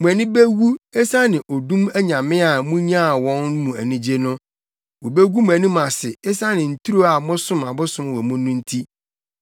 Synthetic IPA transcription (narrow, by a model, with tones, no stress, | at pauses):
mũ˨æ˨nɪ̃˦be˦ɡu˦ɛ˦sa˦nɪ̃˨ʔo˨dũ˦mæ˦ɲã˨mɪ̃˦a˨mũ˦ɲ˦ã˦˨wɔ̃˦n˦mũ˨æ˨nĩ˦d͡ʑe˦nʊ̃˦ | wo˨be˦ɡu˦mũ˨æ˨nĩ˦mã˨sɪ˨ɛ˦sa˦nɪ̃˨n̩˨tʰu˦ɾo˦a˨mʊ̃˦sʊ̃˦mã˨bʊ˦sʊ̃˦mwɔ˨mʊ̃˦nʊ̃˦n̩˦tʰi˦